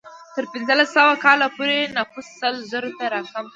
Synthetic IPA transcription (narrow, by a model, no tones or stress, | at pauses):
t̪əɾpɪnzəlasːawakɑlapoɾenafʊsːəlzəɾot̪aɾɑkam